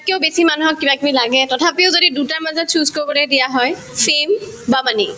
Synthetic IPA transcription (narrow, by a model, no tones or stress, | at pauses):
kiɔʊbesimanuɦɔkːibakimilaɡɛtɔtʰapiʊzodidutaɹmazɔtsʰuzkobɔlɛdijaɦɔj | pʰem | bamani